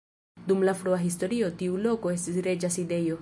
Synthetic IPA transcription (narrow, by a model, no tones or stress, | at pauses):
dumlafɾoaɦisto̞ɾio̞tiulo̞ko̞e̞s̬tisɾe̞d͡ʒaside̞jo̞